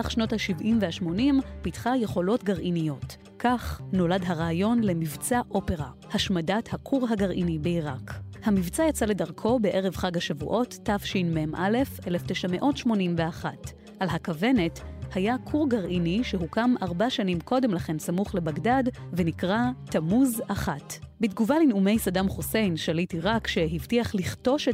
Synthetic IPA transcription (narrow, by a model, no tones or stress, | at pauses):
aχʃno̞thaʃivʔimvehaʃmo̞nimpitχaje̞χo̞lo̞tɡaʁʔinijo̞t | kaχno̞ladɦaʁaːjo̞nle̞mivt͡saʔo̞pe̞ʁa̰ | haʃmadathakʰuʁɦaɡaʁʔinibeiʁakhamivt͡sajat͡sale̞daʁkʰo̞be̞ʔe̞ʁevχaɡhaʃavṵʔo̞tːafʃinmemʔale̞felefteʃame̞ʔo̞tʃmo̞nimveaχat | ʔalhakave̞ne̞thajakʰuʁɡaʁʔiniʃeɦukamaʁbaʃanimko̞demlaχe̞nsamuχle̞baɡdadvenikʁatamuzaχatbitɡuvalinume̞jsadamχose̞jnʃalitiʁakʃe̞ɦivtiaχliχto̞ʃe